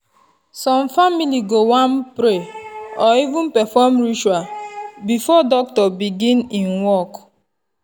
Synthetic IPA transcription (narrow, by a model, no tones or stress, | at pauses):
sɔ̃mfamiliɡowãmpɾeɔivũnpɛfɔmɹit͡ʃuabifɔdɔk̚tɔbiɡĩnĩnwɔk